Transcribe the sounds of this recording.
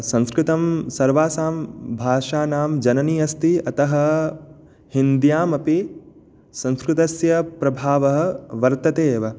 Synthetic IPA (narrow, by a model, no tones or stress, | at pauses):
sɐ̃ŋskɾɪt̪ɐmsɐɾʋaːsaːmbʱaːʃaːnaːmd͡ʒɐnɐniːɐst̪iɐt̪ɐɦɐ | hind̪jaːmɐpi | sɐ̃ŋskɾɪt̪ɐsjɐpɾɐbʱaːʋɐɦɐ̆ʋɐɾt̪ɐt̪eːʋɐ